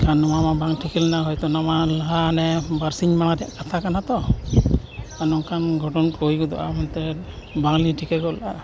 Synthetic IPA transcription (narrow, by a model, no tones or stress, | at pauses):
kʰanːɔmamabaŋʈʰikɛlɛnaɦɔjt̪ɔnamaləɦanɛbaɾsiɲmanad̪ija̰ʔkat̪ʰakanat̪ɔ | anɔŋkʰanɡʱɔʈɔnkojɡɔd̪ɔ̰ʔa̰mɔnt̪ɛbaŋliʈʰikɛɡɔla